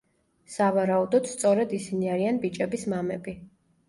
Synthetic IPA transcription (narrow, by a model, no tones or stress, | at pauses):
savaɾaud̪ɔd̪̥st̪sʼɔɾɛd̪isiniaɾianbit͡ʃʼɛbismamɛbi